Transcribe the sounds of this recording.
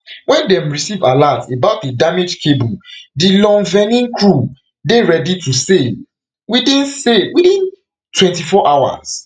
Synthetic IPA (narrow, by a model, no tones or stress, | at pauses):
wɛ̃ndɛ̃mɹisiva̰latebaʊt̚dədamed͡ʒkʰebũdilɔ̃nvɛnĩnkɹu | deɹɛditʰusel | widĩnsewidĩn | twɛ̃ntifɔʔawa̰s